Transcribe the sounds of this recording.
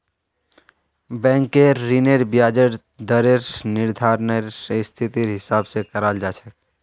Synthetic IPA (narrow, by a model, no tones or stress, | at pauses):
bɛ̃ːŋkːeɾineɾbjaːd͡ʒəɾ | d̪əɾeɾnɪɾd̪ʱaːɾneɾst̪ʰɪt̪iɾɦɪsaːbsekəɾaːld͡ʒaːt͡ʃʰək